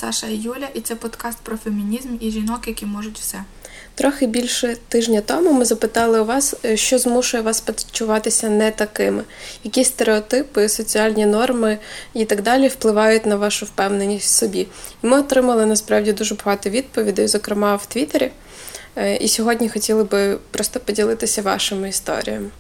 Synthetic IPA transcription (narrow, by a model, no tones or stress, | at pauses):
sɑʃɐjulʲɐʔit̪sɛpɔd̪kɑst̪̚pɾɔfemʲinʲizmiʒʲinɔkjɐkʲimɔʒʊtʲwsɛ | t̪ɾɔxɪbʲilʲʃɛt̪ɪʒnʲɐt̪ɔmʊmɪzɐpɪt̪ɑlˠɪʊʋɑsʃt͡ʃɔzmuʃʊjɛʋɑspɐd̪t͡ʃːʊʋɑt̪ɪsʲɐnɛt̪ɐkɪmɪjɐkʲisʲt̪eɾeɔt̪ɪpɪsɔt͡sʲiɑlʲnʲinɔrmɪit̪ɐɡd̪ɑlʲiwplˠɪʋɑjʊtʲnɐʋɑʃʊwpɛwnenʲisʲtʲsɔbʲiimɪɔt̪ɾɪmɐlˠɪnɐspɾɑwdʲid̪uʒɛbɐɦɑt̪ɔʋʲid̪̚pɔʋʲid̪ɐjzɔkɾɪmɑwt̪ʋʲit̪eɾʲi | ḭsʲɔɦɔdʲnʲixɔtʲilˠɪbɪpɾɔst̪ɔpɔdʲilˠɪt̪ɪsʲɐʋɑ̰ʃɪmʊist̪ɔ̰ɾʲḭjɐ̰m